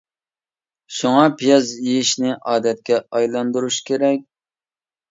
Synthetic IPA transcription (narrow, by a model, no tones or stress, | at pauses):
ʃuŋɑpʰijɑzjijiʃnɪʔɑːd̪ɛt̪̚kʲɛɑjlˠɑnd̪uɾuʃkʲʰeɾɛk̚ʲ